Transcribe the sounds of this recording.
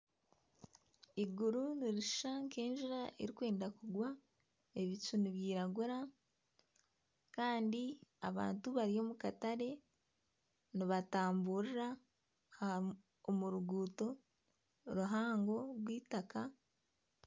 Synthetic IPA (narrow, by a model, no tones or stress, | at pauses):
iɡuɾuniɾiʃu̥ʃaŋke̞ːnʒiɾaʔeɾikwe̞ːndakuɡwa | e̞βit͡ʃuniβjiːɾaɡuɾa | kaːndiaβa̰ːntuβaɾio̞ːmukataɾe̞ | niβataːmbuːɾiɾa | muɾuɡuːto̞ | ɾuɦaːŋɡo̞ɾwiːtaka